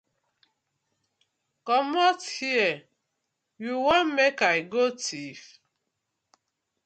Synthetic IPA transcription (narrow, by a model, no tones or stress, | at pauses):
kɔmɔthiɛ | juwɔnmekaɪɡotʰif